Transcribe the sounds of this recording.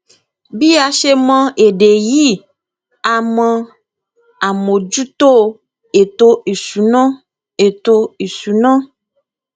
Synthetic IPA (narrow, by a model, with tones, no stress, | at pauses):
bi˦a˨ʃe˦mɔ̃˦e˨ɖe˨ji˦ | a˨mɔ̃˦ | a˨mõ˨d͡ʒu˦t̪o˦ | e˨t̪o˦ʔi˨su˨nɔ̃˦ | e˨t̪o˦i˨su˨nɔ̃˦